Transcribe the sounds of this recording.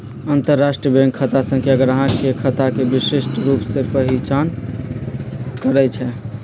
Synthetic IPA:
ənt̪əɾːasʈɾiəbʱẽŋɡkʰːət̪asə̃ŋkeəɡəɾəɦãkekʰət̪akebisesʈɾupsepəɦit͡ʃan | kəɾɛt͡ʃʰɛ

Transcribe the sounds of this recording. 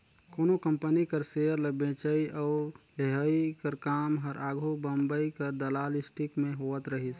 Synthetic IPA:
koːnokə̃mpənikəɾsejəɾləbẽt͡ʃəiʔɔːɾleɦaːikəɾkaːmɦəɾʔaːɡʱobəmbəikəɾd̪əlaːlɪsʈɪkmẽɦoʋət̪ɾəɦis

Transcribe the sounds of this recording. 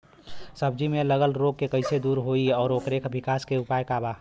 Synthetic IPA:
səb̚d͡ʒimẽləɡəlɾoːɡ̚kekəɪsed̪uːɾɦoiɔːɾoːkɾekʰbɪkaːskeʊpaːjkaːbaː

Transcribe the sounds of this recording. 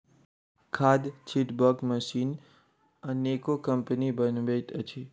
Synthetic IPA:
kʰaːd̪t͡ʃʰiʈbəkməʃiːn | ãneːkokəmpənibənʋeːt̪ət͡ʃʰiː

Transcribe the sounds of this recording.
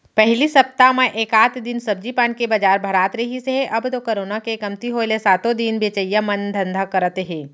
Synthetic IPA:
pɛɦlisɐpt̪amẽʔeːkaːt̪ʰd̪ɪnsɐb̚d͡ʒipaːnkebɐd͡ʒaːɾbʱɐɾaːt̪ɾɐɦiseɦɛʔɐbt̪okɐɾoːnakekɐmt̪iɦoelesaːt̪õd̪inbʱeːt͡ʃəjːamɐnd̪ʱɐ̃nd̪ʱakɐɾət̪ɦɛ̃ː

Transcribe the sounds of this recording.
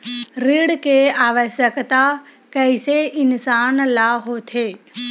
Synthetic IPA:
ɾɪɽkʰeaːʋəsəkt̪a | kɐɪseɪnsaːnlaːɦot̪ʰeː

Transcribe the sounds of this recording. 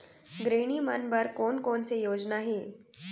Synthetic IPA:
ɡɾeɽiːma̰nbəɾkonkoɳt͡sejod͡znaɦe

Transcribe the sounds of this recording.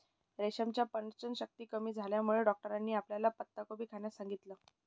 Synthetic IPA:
ɾeɕəmt͡ɕjapəɳɾt͡ɕənɕək̚t̪iːkəmiːd͡zʱaljamuɭeɖɔk̚ʈəɾanːiːapljalapət̪ːakobʱiːkʰaɳjasãŋɡit̪ləː

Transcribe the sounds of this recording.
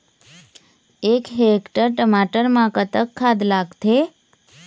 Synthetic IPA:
ekɦekʈəɾʈəmaʈəɾmãkət̪əkʰːad̪laɡt̪ʰe

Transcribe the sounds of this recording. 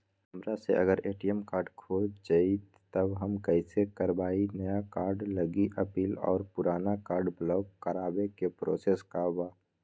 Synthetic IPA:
əmɾasḛʔɐ̰ɡəɾeːʈiɛmkaːɾɖkʰoːd͡ʒd͡ʒai | t̪əbɦəmkɛɪsekəɾbaːinəjakaːɾɖləɡiʔəpiːlɔ̰ːɾpʊɾaːnakaːɾɖblɔːk̚kəɾaːbekepɾo̰ːseːskabaː

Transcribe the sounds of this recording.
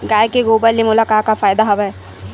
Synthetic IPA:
ɡaːjkeɡoːbəlːemʊlakaːkafaːjd̪aɦɐbɦɛː

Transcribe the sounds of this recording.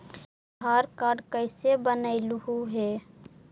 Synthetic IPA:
ɦaːɾkaːɾɖkəɪsebənəɪlɦuɦɛ

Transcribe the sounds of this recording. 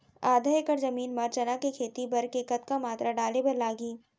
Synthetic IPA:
aːd̪ʱaːjekɐɾzɐmiːnmɐɾt͡ʃɐnakekʰeːt̪ibɐɾkekɐt̪kamaːt̪ɾaɖaːlebɐɾlaːɡiː

